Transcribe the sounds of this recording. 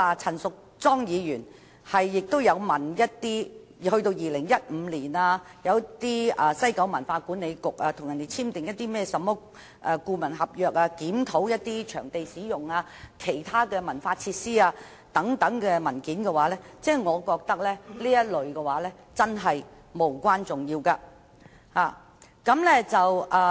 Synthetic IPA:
a˨˧t͡sʰɐ˨˩nsʊ˨k̚ | t͡sɔː˥ŋjiː˨˧jyː˨˩n | hɐ˨jːɪ˨k̚t̪o˥wjɐ˨˧wmɐ˨˩njɐ˥t̚t̪iː˥ | hɵ˧t̪o˧wjiː˨lɪ˨˩ŋjɐ˥t̚m̩ː˨˧liː˨˩naː˧jɐ˨˧wt̪iː˥ɐː˨˩sɐ˥jkɐ˨˥wmɐ˨˩nfaː˧kuː˨˥nːe˨˧jkʊ˨k̚aː˧t̪ʰʊ˨˩ŋjɐ˨˩nt̪e˨jt͡sʰiː˥mt̪ɪ˨ŋjɐ˥t̪ːiː˥mɛː˥sɐ˨˧mːɔː˨˥ | ʔɐː˧kuː˧mɐ˨˩nɦɐ˨p̚jœː˨k̚aː˧kiː˨˥mt̪ʰo˨˥wjɐ˥t̚t̪ːiː˥t͡ʃʰœ̰ː˨˩ŋt̪e˨jsiː˨˥jʊ˨˩ŋaː˧ | kʰe˨˩jt̪ʰaː˥kɛː˧mɐ˨˩nfaː˧t͡sʰi˧t̚siː˥aː˧ | t̪ɐ˨˥ŋt̪ɐ˨˥ŋkɛː˧mɐ˨˩nkiː˨˥nkɛ˧waː˨˥lɛː˥t͡sɛː˥˩ŋɔː˨˧kɔː˧k̚t̪ɐ˥k̚lɛː˥liː˥jɐ˥t̚lɵ˨ɥkɛ˧waː˨˥lɛː˥ | t͡sɐ˥nɦɐ˨j | mo˨˩wkʷaː˥nt͡sʊ˨˩ŋjiː˧wkaː˧ | haː˨˩ | kɐ˨˥mlɛː˥t͡sɐ˨wʔaː˨

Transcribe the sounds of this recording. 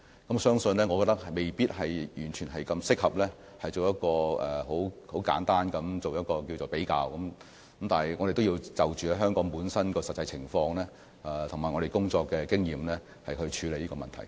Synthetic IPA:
kɐ˨˥msœː˥ŋsɵ˧nlɛː˥ŋɔ˨˧kɔː˧t̚t̪ɐ˥k̚hme˨˩jpiː˥t̚ɦɐ˨jjyː˨˩nt͡ʃʰyː˨˩nɦɐ˨jkɐ˧msɪ˥k̚hɐ˨p̚lɛː˥ | hɐ˨jt͡so˨wjɐ˥t̚kɔː˧ɛː˨˩ho˨˥who˨˥wka̰ː˨˥nt̪aː˥nkɐ˨˥mt͡so˨wjɐ˥t̚kɔː˧kiː˧wt͡so˨˩wpe˨˥jkaː˧wkɐ˨˥m | kɐ˧˥mt̪aː˨˩nɦjŋɔː˨˧de˨jt̪o˥wjiː˧wt͡sɐ˨wt͡ʃyː˨ɐ˨˥ɦœː˥ŋkɔː˨˥ŋpuː˨˥nsɐ˥nkɔː˧sɐ˨t̚t͡sɐ˧jt͡sʰɪ˨˩ŋfɔː˧ŋlɛː˥˨˩ | t̪ʰʊ˨˩ŋmaː˨˩jŋɔ˨˧e˨jkʊ˥ŋt͡ʃɔː˧kːɛː˧kɪ˥ŋjiː˨mlɛ˥ | hɐ˨jhɵ˧ɥt͡ʃʰyː˨˧le˨jiː˥kɔ˧mɐ˨nt̪ʰɐ˨˩j

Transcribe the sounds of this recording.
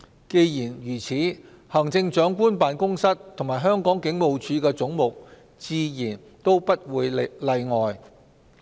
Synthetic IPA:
ke˧jjiː˨˩njyː˨˩t͡sʰiː˨˥ | hɐ˨˩ŋt͡sɪ˧ŋt͡ʃœː˨˥ŋkʷuː˥npaː˨˧nkʊ˥ŋsɐ˥t̚t̪ʰʊ˨˩ŋmaː˨˩jɦœː˥ŋkɔː˨˥ŋkɪ˨˥ŋmo˨˧wt͡ʃʰyː˨˧kɛː˧t͡sʊ˨˥ŋmʊ˨k̚ | t͡siː˧jiː˨˩n | t̪o˥wpɐ˥t̚wuː˨˧jlɐ˧jŋɔː˨j

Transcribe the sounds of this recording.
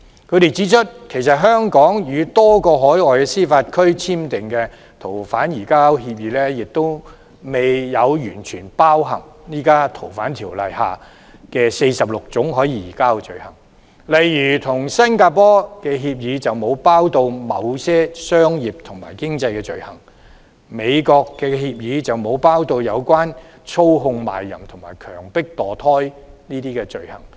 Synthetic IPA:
kʰɵ˧ɥɾe˨jt͡siː˨˥t͡ʃʰɵ˥t̚kʰe˨˩js̬ɐ˨t̚ɦœː˥ŋkɔː˨˥ŋjyː˨˧t̪ɔː˥kɔː˧ɦɔː˨˥jɔː˨jkɛ˧siː˥faː˧t̚kʰɵ˥ɥt͡sʰiː˥mt̪ɪ˨ŋkɛː˧ | t̪ʰo˨˩wfaː˨˥njiː˨˩kaː˥wɦi˧p̬̚jiː˨˥lɛː˥jɪ˨k̚t̪o˥w | me˨jːɐ˨˧wjyː˨˩nt͡ʃʰyː˨˩npaː˥wɦɐ̰˨˩ŋniː˥kaː˥t̪ʰo˨˩wfaː˨˥nt̪ʰiː˨˩wlɐ̰˨jha̰ː˨˩ | kɛː˧se˧jsɐ˨p̚lʊ˨k̚t͡sʊ˨˥ŋɦɔː˨˥jiː˧jiː˨˩kaː˥wt͡ʃɵ˨ɥhɐ˨˩ŋ | lɐ˨jjyː˨˩t̪ʰʊ˨˩ŋsɐ˥nkaː˧pɔː˥kɛː˧ɦiː˧p̚jiː˨˧t͡sɐ˨wmo˨˧wpaː˥wt̪o˧wmɐ˨˧wsɛː˥sœː˥ŋjiː˨˩p̚t̪ʰʊ˨˩ŋmaː˨˩jkɪ˥ŋt͡sɐ˧jkɛː˧t͡ʃɵ˨˧ɥhɐ˨˩ŋ | me˨˧jkɔː˧kːɛː˧hiː˧p̚jiː˨˧t͡sɐ˨wmo˨˧wpaː˥wt̪o˧wjɐ˨˧wkʷaː˥n | t͡sʰo˥wɦʊ˧ŋma̰ː˨jːɐ̰˨˩mt̪ʰʊ˨˩ŋma̰ː˨˩jkʰœː˨˩ŋpɪ˥k̚t̪ɔː˨t̪ʰɔː˥jniː˥t̪iː˥kɛː˧t͡ʃɵ˨˧ɥhɐ˨˩ŋ

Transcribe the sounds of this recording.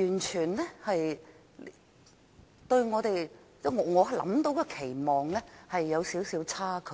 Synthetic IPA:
jyː˨˩nt͡ʃʰyː˨˩nlɛː˥hɐ˨j | t̪ɵ˧ɥŋɔː˨˧t̪e˨j | t͡sɛ˥ŋɔː˨˧ŋɔː˨˧ɐ˨lɐ̰˨˧˥mt̪o˧wkɔː˧kʰe˨˩jmɔː˨˩ŋlɛ˥hɐ˨jːɐ˨˧wsiː˨˥wsiː˨˧˥wt͡sʰaː˥kʰɵ˨˥

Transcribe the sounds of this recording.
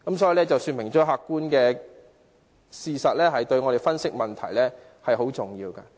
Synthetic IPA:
kɐ˨˦˥msɔː˨˥ji˨˧lɛː˥t͡sɐ˨wsyː˧nmɪ˨˩ŋt͡ʃɔː˨˥ɦaː˨˧kːuː˥nkɛː˧ | siː˧sɐ˨t̚lɛː˥ɦɐ˨jt̪ɵ˧ɥŋɔ˨˧ɾe˨jfɐ˥nsɪ˥k̚mɐ˨nt̪ʰɐ̰˨˩jlɛː˥ | hɐ˨jho˨˥wt͡sʊ˨˩ŋjiː˧wkaː˧

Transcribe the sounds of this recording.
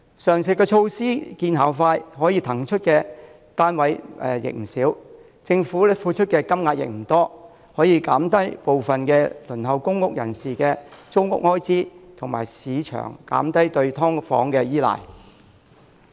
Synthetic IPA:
sœː˨˩ŋsɪ˨kɛː˧t͡ʃʰo˧wsiː˥kiː˧nɦaː˨˩wfaː˧jɦɔː˨˥jiː˧t̪ʰɐ˨˩ŋt͡ʃʰɵ˥t̚kɛː˧ | t̪aː˥nwɐ˨˧jɛ˨jɪ̰˨k̚m̩˨˩siː˨˥w | t͡sɪ˧ŋfuː˨˥fuː˧t͡ʃʰɵ˥t̚kɛː˧kɐ˥mŋaː˧t̚jɪ̰˨k̚m̩˨˩t̪ɔː˥ | hɔː˨˥jiː˨˧kaː˨˥mt̪ɐ˥jpo˨wfɐ˨nkɛː˧lɵ˨˩nɦɐ˨wkʊ˥ŋːʊ˥k̚jɐ̰˨˩nsiː˨kɛː˧t͡sʊ˥wŋʊ̰˥k̚hɔː˥jt͡siː˥t̪ʰʊ˨˩ŋma̰ː˨˩jsiː˨˧˥t͡ʃʰœ̰ː˨˩ŋka̰ː˨˥mt̪ɐ˥jt̪ɵ˧ɥt̪ʰɔː˥ŋfɔ̰ː˨˥ŋkɛː˧jiː˥la̰ː˨˩j

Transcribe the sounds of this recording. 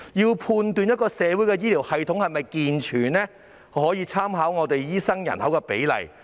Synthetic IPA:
jiː˧wpʰuː˧nt̪yː˨˧njɐ˥t̚kɔː˧sɛː˨˥wu˨˥jkɛ˧jiː˥liː˨˩whɐ˨jt̪ʰʊ˨˥ŋhɐ˨jmɐ˨jkiː˨nt͡ʃʰyː˨˩nɛː˥ | hɔː˨˥jiː˧t͡sʰaː˥mɦaː˨˥wŋɔː˨˧t̪e˨jjiː˥sɐ˥ŋjɐ̰˨˩nhɐ˨˥wkɛː˧pḛ˨˥jlɐ̰˨˩j

